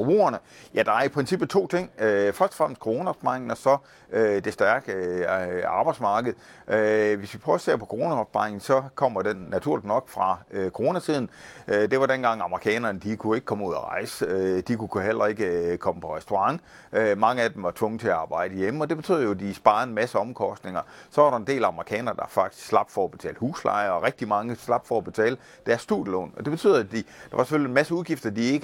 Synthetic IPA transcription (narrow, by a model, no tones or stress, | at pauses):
ob̥ʁo̰ːɐnəjæd̥ɑ̈æɐipʰʁɛnsib̥̩t͡sʰo̝̰ːt͡sʰe̝ŋ̰øfɶɐd̥ɒfʁam̰sd̥kʰoʁo̝ːnæɒb̥sb̥pɑŋn̩ɒ̽sɒ̽ | ød̥e̝sd̥æɐɡ̥ | ɑ̈ːb̥ɑ̈ɪ̥smɑ̈ːɡ̥əð̞̩ˠʔøʋe̝sʋipʰʁɒse̝ɐpʰɒ̽kʰoʁo̝næɒb̥spɑ̈eŋn̩sɒ̽kʰɒ̽m̰ɐd̥enːæt͡sʰuɐ̰lid̥nɒ̽ɡ̥fʁɑ̈økʰo̝ʁo̝ːnæt͡sʰið̞̰ˠn̩ʔød̥e̝ʋɑ̈d̥enɡ̥ɑ̈ŋ̰ɑ̈məʁikʰɛ̰ːnɐnəd̥ikʰue̝ɡ̥əkʰɒ̽muð̰ˠɒʁɑ̈ɪsəød̥ikʰukʰuhel̰ɐe̝ɡ̥əkʰɒ̽məpʰɒ̽ʁɛsd̥o̝ʁɑ̈ŋ | ømɑ̈ŋəæd̥emʋɑ̈t͡sʰʋɔ̽ŋət͡sʰe̝æɑ̈ːb̥ɑ̈ɪ̰d̥əjeməɒ̽d̥ebe̝̥y̰ð̰̩ˠjoæd̥isb̥ɑ̈ːð̩ˠenmæsəɒ̽mkʰɒ̽sd̥ne̝ŋɐsɒ̽ʋɑ̈ɾɑ̈end̥e̝̰ːlæɑ̈məʁikʰɛ̰ːnɐd̥ɑ̈fɑ̈ɡ̥̚d̥ʰi̥sɡ̥slɑ̈b̥d̥fɒɒb̥e̝t͡sʰɛ̰ːləhṵːslɑ̰̈ɪɐɒ̽ʁɛɡ̥̚d̥imɑ̈ŋəslɑ̈b̥fɒːb̥e̝t͡sʰɛ̰ːlə | d̥æɐsːd̥ujəlɔ̰ːnɒ̽d̥e̝b̥e̝t͡sʰy̰ð̰̩ˠd̥id̥ɑ̈ʋɑ̈se̥følienmæsəuðˠɡ̥ifd̥ɐd̥ie̝ɡ̥ə